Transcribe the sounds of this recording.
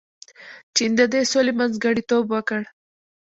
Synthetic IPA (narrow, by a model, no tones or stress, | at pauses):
t͡ʃind̪əd̪esolemanzɡəɽit̪obwəkəɽ